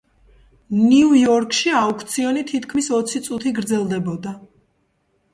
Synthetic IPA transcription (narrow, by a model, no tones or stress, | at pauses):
niujɔɾkʰʼʃiaukʰt̪sʰiɔnit̪ʰit̪kʰmisɔt̪sʰit̪sʼut̪ʰiɡɾd̪zɛlˠd̪ɛbɔd̪a